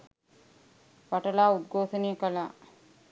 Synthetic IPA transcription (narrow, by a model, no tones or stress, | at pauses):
ʋaʈəlaːud̪̚ɡoːsənijəkəlaː